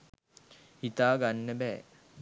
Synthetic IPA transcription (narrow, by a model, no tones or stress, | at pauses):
hit̪aːɡanːəbɛː